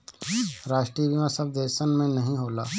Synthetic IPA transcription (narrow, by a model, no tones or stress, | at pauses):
ɾaːʃʈɾibimãsɐb̚d̪eːsənmẽnɐɦĩɦoːlaː